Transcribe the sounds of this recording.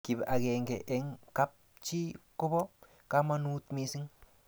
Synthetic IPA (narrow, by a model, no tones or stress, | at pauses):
kibaɡeŋɡeʔeŋkap̚ | t͡ʃikobo | kamanut̪misiŋ